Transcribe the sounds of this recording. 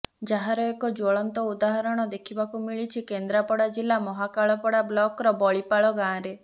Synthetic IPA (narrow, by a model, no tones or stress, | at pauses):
d͡ʒaɦaɾɔekɔd͡ʒɔɭɔnt̪ɔud̪aɦaɾɔɽ̃ɔd̪ekʰibakumiɭit͡ʃʰikend̪ɾapɔɽad͡ʒilːamɔɦakaɭɔpɔɽablɔkɾɔbɔɭipaɭɔɡãːɾe